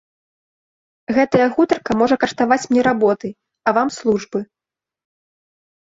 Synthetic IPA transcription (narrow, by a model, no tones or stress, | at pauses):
ɣɛt̪ɐjɐɣut̪ɐrkɐmɔʐɐkɐʂt̪avat͡sʲmnʲɛɾabɔt̪ɨ | ɐvamslˠuʐbɨ